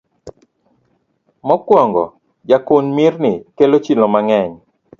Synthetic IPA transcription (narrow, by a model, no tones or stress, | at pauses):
mɔkwɔŋɡɔ̰ | d͡ʒakʊnmirnɪkelot͡ʃilɔmaŋɛɲ